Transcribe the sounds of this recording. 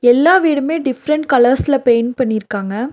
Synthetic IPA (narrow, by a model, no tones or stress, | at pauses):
ɛlːaːʋiːɽɐmeːɖɪfɾɐɳʈkɐlɐɾsɪlɐpeːjnpɐɳːɪɾɯkːaːŋɡɐ